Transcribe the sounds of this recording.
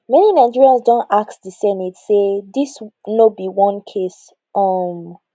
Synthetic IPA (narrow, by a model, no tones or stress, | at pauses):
mɛninaɪ̃nd͡ʒiɹiə̃nzdõntak̚sdisɛnitseðisnobiwʌ̃nkʰes | ʌm